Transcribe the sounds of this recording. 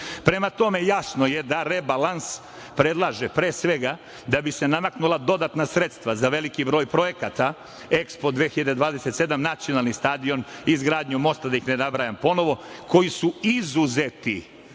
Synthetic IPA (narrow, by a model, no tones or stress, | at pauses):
pɾe̞mat̪o̞me̞jasno̞je̞d̪aɾebalans | pɾe̞d̪lˠaːʒepɾeːsʋe̞ɡa | d̪abise̞namaknulˠad̪o̞d̪at̪nasɾet̪st̪ʋazaʋe̞likibɾo̞ːjpɾo̞je̞kat̪a | e̞kspo̞d̪ʋeːxiʎad̪ed̪ʋaːd̪e̞set̪se̞d̪amnat̪sio̞nalˠnist̪aːd̪io̞nizɡɾaːd̪ɲumo̞st̪ad̪ajixnenabɾaːjampo̞no̞ʋo̞kʰo̞jisuizuzet̪ḭ